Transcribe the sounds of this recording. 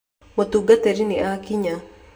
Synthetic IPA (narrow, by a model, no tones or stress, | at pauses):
wat̪uɡat̪eɾiniʔakiɲa